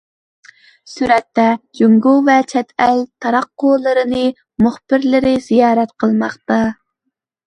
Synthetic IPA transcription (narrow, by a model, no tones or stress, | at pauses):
syɾɛt̪ːɛd͡ʒyŋɡuvɛt͡ʃʰɛt̪ʰɛlt̪ʰɑɾɑqːʊlˠəɾɨnɨ | muχbɪɾlɪɾɪz̥ijɑːɾɛt̪qʰəlˠmɑχt̪ɑ